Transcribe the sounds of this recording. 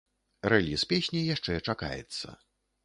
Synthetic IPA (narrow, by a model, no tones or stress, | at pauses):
rɛlʲispʲesʲnʲijaʂt͡ʂɛt͡ʂaka̰jɛ̰t̪sːɐ̰